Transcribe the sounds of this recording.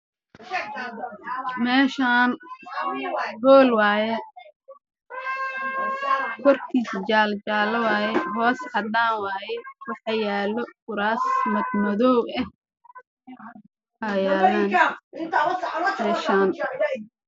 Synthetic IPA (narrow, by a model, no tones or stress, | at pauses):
mɛːʃaːn | ɡɔːlwaːjɛ | kʰɔrk̪ʰiːst͡ʃaːlt͡ʃaːlɐwaːjɛɦɔːshɐd̪aːnwaːjɛwɑħɑjaːlɔkʊɾaːsmɐd̪mɐðɔːwɛh | ʔɐjaːlaːn | mɛːʃaːn